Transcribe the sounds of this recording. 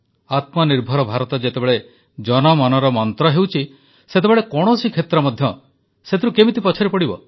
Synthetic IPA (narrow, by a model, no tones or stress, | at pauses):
at̪mɔniɾbʱɔɾɔbʱaɾɔt̪ɔd͡ʒet̪ebeɭe | d͡ʒɔnɔmɔnɔɾɔmɔnt̪ɾɔɦewt͡ʃʰi | set̪ebeɭekɔɽ̃ɔsikʰet̪ɾɔmɔd̪ʱjɔ | set̪iɾukemit̪ipɔt͡ʃʰɔɾepɔɽibɔ